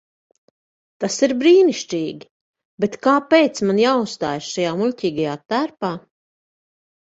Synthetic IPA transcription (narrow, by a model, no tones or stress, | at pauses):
t̪asiɾbɾiːniʃt͡ʃiːɡʲi | bet̪kaːpejt̪smanjaːust̪a̰ːjʃʃajaːmulʲcʲiːɡajaːt̪æɾpaː